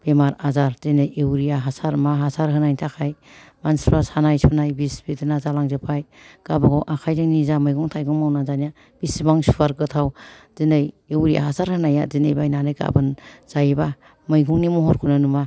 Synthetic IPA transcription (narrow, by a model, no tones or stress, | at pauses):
b̥emaɾazaɾzinɯjewɾijaɦasaɾmaɦasaɾɦɯnajntʰakʰajmansɾasanajsʰunajbisbidɯnazalaŋzɯpʰaj | ɡ̥abaɡɔʔakʰajdɯŋnizamɯjɡɔŋtʰajɡɔŋmawnazanija | b̥isibaŋsufaɾɡɯtʰawz̥inɯj | ewɾija̰ɦasaɾhɯnajazinɯjbajnanɯjka̰bɯnz̥ajba | mɯjɡɔŋnimɔɦɔɾkʰunɯnuma